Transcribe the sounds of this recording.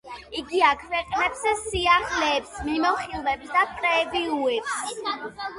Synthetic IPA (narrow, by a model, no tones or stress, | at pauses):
iɡiakʰwɛqʼnɛbsɛsiaχlɛːpsmimɔχilˠmɛpsd̪akʼɾɛbiuɛps